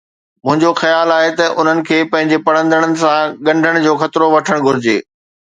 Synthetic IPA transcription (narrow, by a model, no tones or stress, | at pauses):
mʊ̃ɦɪ̃ɲd͡ʑoxɐjaːlaːɦet̪ɐʔʊn̤ənɪ̆kʰeːpɐ̃ɦɪ̃ɲd͡ʑepɐɽə̃nd̪əɽ̃ənɪ̆sãɠɐ̃ɳɖʱəɽ̃d͡ʑoːxɐt̪ɪɾoʋɐʈʰəɽ̃ɡʱʊɾɪd͡ʑḛː